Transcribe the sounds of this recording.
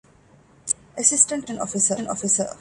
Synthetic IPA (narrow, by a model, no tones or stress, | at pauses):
ʔəsɪsʈə̃ɳʈə̃nɔ̰fisənɔ̰fisə